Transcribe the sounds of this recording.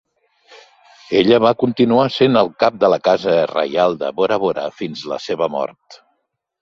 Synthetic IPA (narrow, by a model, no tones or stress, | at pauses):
eʎəβakunt̪inuasenəlˠkap̚d̪ələkazərə̰jalˠd̪ə̰βoɾəβoɾə̰finzlə̰seβəmɔ̰rt̪